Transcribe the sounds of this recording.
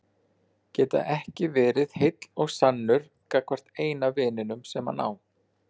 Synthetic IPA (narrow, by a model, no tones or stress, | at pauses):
cɛːt̪a̰ʔɛhcɪvɛːɾɪð̥hɪjt̪lɔɣsanːʏɾ̥ | kakʰvar̥t̪eːjnavɪːnɪnʏmsɛmha̰na̰ːw